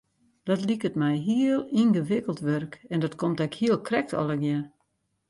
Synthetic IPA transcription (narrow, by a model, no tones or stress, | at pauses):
d̥ɔtlikətmɛjɦiəlˠinɣəʋɪkəlˠtʋørkɛndɔtkʰomtɛkhiəlˠkʰrɛk̚tʰɔ̰lˠəɡjɛ